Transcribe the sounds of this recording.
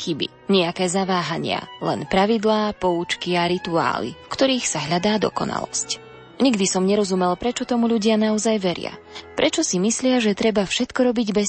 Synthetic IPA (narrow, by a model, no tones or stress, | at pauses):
xibḭ | ɲɛakɛːzaʋaːɦaɲɪa̰lɛ̰npɾaʋid̪laːpɔuːt͡ʃkiaɾit̪ua̰ːlḭfkt̪ɔɾiːxsaɦʎad̪aːd̪ɔ̰kɔna̰lɔ̰sc | ɲiɡd̪isɔmɲɛɾɔzumɛlpɾɛt͡ʃɔt̪ɔmuʎuɟɪanaɔzajʋɛɾɪa̰ | pɾʔɛt͡ʃɔsimislɪaʒɛt̪ɾɛbafʃɛt̪kɔɾɔbiɟbɛ